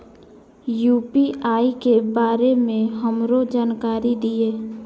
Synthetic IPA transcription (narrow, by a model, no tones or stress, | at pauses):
juːpiʔaːikebaːɾemẽɦəmɾod͡ʒaːnkaːɾid̪ieː